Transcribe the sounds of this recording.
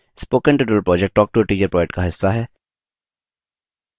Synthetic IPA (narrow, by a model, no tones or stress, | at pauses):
spoːkə̃ɳʈɪʈɾəlpɾɔːd͡ʒɛk̚ʈ̚ʈɔːk̚ʈuːɾʈiːd͡ʒəɾpɾɔːd͡ʒɛk̚ʈkaɦɪsːaɦɛː